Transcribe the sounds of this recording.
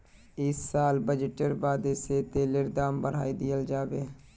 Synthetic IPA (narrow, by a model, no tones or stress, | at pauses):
ɪsːaːlbəd͡ʒɪʈəɾbaːd̪ɪseːt̪eːləɾd̪aːmbəɾ̤a̰ːiːd̪ɪjəld͡ʒaːʋeː